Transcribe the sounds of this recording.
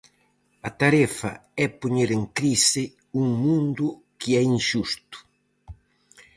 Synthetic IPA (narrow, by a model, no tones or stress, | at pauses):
at̪aɾɛfɐ̰ɛpuɲeɾeŋkɾisɪ | uŋmũnd̪ʊ | kiɛiŋʃust̪ʊ̥